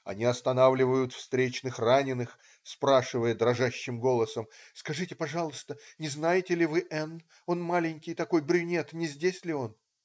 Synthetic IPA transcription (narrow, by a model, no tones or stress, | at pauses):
ɐ̰nʲiɐst̪ɐnavlʲɪvəjʊt̪fst̪ɾʲet͡ɕnɨxranʲɪnɨx | spɾaʂɨvəjəd̪ɾɐʐaɕːɪmɡo̞lˠəsəmskɐʐɨtʲɪpɐʐɑlˠəst̪ənʲɪznajɪtʲɪlʲɪvɨʔɛn | o̞nmalʲɪnʲkʲɪjt̪ɐko̞jbɾʲʊnʲet̪nʲɪzʲdʲesʲlʲɪo̞n